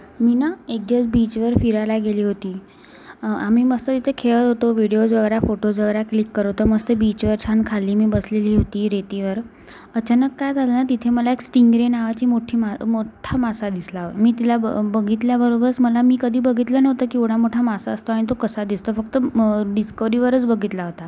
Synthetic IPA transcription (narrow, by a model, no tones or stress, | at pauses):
minaek̚d̪jat͡sbit͡ɕʋəɾfiɾalaɡeliːɦot̪iː | amiːməst̪ət̪it̪ʰekʰeɭət̪ɦot̪oʋiɽijosʋəɡəɾafoʈosʋəɡəɾaklikːəɾəʋt̪əməst̪əbit͡ɕʋəɾt͡ɕʰand̪̚kʰalːiːmiːbəsleliːɦot̪iːɾet̪iʋəɾ | ət͡ɕanəkːajd͡zʱalənat̪it̪ʰeməlaeksʈiŋɡɾenaʋat͡ɕiːmoʈʰiːmamoʈʰamasad̪islaɦmiːt̪ilabəɡʱit̪ljabəɾobəɾət͡sməlamiːkəd̪ʱiːbəɡʱit̪lənəʋt̪əkiuɽ̤amoʈʰamasaəst̪oaɽ̃it̪̬okəsad̪ist̪ofək̚t̪əɖiskəʋɾiʋəɾət͡sbəɡʱit̪laɦot̪a